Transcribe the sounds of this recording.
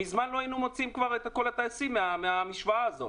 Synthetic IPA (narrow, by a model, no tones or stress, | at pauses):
mizmanlo̞ainumo̞t͡siimkvaʁet̪akolat̪aasimeameamiʃvaaːzo̞̰